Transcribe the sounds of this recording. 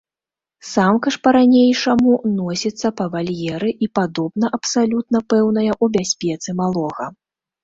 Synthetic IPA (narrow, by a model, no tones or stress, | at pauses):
samkɐʂpɐɾanʲejʂɐmunɔsʲit̪sːɐpɐvalʲjɛɾɨʔipad̪ɔbnɐʔɐpsalʲut̪nɐpɛwn̪ɐjɐʔubʲasʲpʲɛt̪sɨmalˠɔɣɐ